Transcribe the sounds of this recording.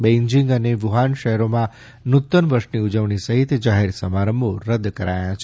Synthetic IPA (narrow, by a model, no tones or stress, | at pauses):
bẽɲd͡ʒĩŋɡəneʋuɦanʃəɦɾomã | nut̪ːənʋəɾʃniud͡ʒəʋɳisəɦit̪d͡ʒaɦeɾsəmaɾəmboɾəd̪kəɾajãt͡ʃʰ